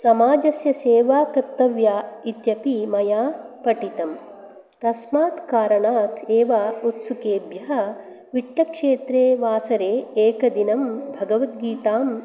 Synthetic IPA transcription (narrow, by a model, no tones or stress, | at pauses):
sɐmaːd͡ʒɐsjɐseːʋaːkɐɾt̪ːɐʋjaːit̪jɐpimɐjaːpɐʈit̪ɐm | t̪ɐsmaːt̪kaːɾɐɳaːt̪ʰeːʋaːut̪sukeːbjɐɦɐ̆ | ʋiʈːɐkʂeːt̪ɾeːʋaːsɐɾeːeːkɐd̪inɐmbʱɐɡɐʋɐt̪̚ɡiːt̪aːm